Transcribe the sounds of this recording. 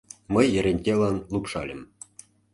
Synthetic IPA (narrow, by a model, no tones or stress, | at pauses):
mɤ̆jːɘ̆ɾʲenʲtʲelɑnlˠupʂɑlʲə̆m